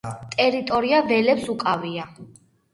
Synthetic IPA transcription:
t̪ʼɛɾit̪ʼɔɾiavɛlɛpsukʼavia

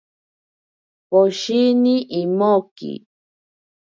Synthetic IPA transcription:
poʃinĩʔimokḭ

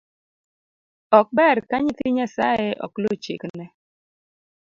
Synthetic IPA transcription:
ɔk̚bɛɾkaɲit̪iɲasaɛʔɔ̰klot͡ʃeknɛ

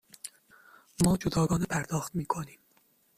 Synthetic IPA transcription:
mɒːd͡ʒod̪ɒːɡɒːnepʰæɾd̪ɒːxt̪miːkʰoniːm

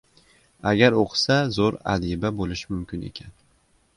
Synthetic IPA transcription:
aɡʲaɾoqʰsazoɾa̰d̪ibabolɪʃmʊmkʲɪne̞̰kʲʰan

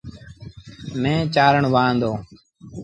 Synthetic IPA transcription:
mẽːt͡ʃaːɾəɳʋaːnd̪oː

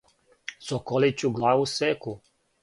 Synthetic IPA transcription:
sokolit͡ɕuɡlˠaːʋusɛku

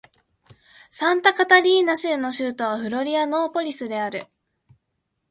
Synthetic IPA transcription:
sãnt̪akat̪aɾʲiːnaɕɨɯno̞ɕɨːt̪o̞β̞aɸɯ̟ɾo̞ɾʲiano̞ːpo̞ɾʲisɨd̪e̞aɾɯ̟

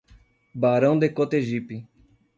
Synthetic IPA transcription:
baːɾɐ̃w̃d̪ekot̪eʒipi

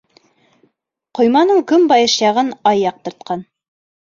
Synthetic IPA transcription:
qŏjmɑnɤɴkɵmbɑjɤʃjɑʁɤnɑjːɑq̚t̪ɤ̆ɾt̪̚qɑn

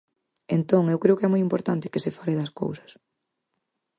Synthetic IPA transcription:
ent̪oŋewkɾeʊkeɛmojimpoɾt̪ant̪ɪ̥kɪsefaɾeðɐsko̰wsɐ̥s

